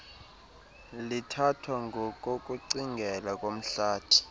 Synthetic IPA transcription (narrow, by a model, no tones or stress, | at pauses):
litʰatʰwaŋɡʱɔkʼok̬ʼuǀiŋɡʱɛlakʼom̩ɬaːtʰi̥